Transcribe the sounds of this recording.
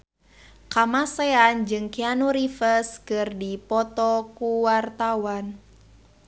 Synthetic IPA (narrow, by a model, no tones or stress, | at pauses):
kamaseand͡ʒɨŋkianuɾifəskɨrdipɔt̪ɔkuwart̪awan